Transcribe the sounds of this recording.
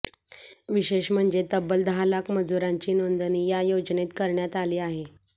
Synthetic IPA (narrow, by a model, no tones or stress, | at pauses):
ʋiɕeɕm̤əɳd͡zet̪əbəld̪ʱalakməd͡zuɾaɲt͡ɕiːnond̪əniːjajod͡znet̪kəɾɳjat̪aliːaɦe